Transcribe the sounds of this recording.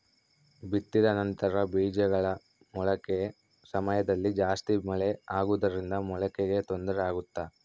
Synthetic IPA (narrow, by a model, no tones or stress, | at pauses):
bit̪ːid̪ɐnɐnt̪ɐɾɐbiːd͡ʒɐɡɐɭɐ | mɔɭɐke | sɐmɐjɐd̪ɐlːid͡ʒaːst̪imɐɭeaːɡuʋd̪ɐɾind̪ɐmɔɭɐkeɡe̞t̪o̞nd̪ɐɾɛaːɡut̪ːa